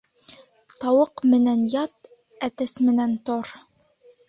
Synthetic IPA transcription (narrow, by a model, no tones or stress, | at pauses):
t̪ɑwɤqmɘ̆nænjɑt̪ | æt̪ɘsmɘ̆nænt̪oɾ